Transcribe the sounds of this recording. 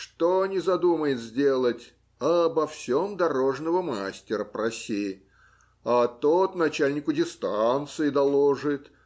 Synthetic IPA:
ʂt̪onʲɪzɐd̪uməjɪt̪zʲdʲe̞lˠətʲ | ɐbɐfsʲo̞md̪ɐɾo̞ʐnəvəmasʲtʲɪɾəpɾɐsʲi | ɐt̪ot̪nɐt͡ɕalʲnʲɪkʊdʲɪst̪ant̪sɨɪd̪ɐlˠoʐɨt̪

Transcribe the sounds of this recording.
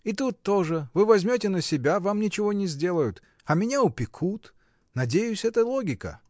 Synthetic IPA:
it̪ut̪ːo̞ʐɨvɨvɐzʲmʲotʲɪnəsʲɪbʲavamnʲɪt͡ɕɪvo̞nʲɪzʲdʲe̞lˠəjʊt̪ | ɐmʲɪnʲaʊpʲɪkʰut̪ | nɐdʲejʊsʲɛt̪əlˠoɡʲɪkə̰

